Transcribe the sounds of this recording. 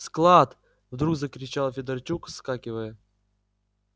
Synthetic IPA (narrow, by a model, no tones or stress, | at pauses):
sklˠat̪ | vd̪ɾuɡzəkɾʲɪt͡ɕalˠfʲɪd̪ərt͡ɕukskakʲɪvəjə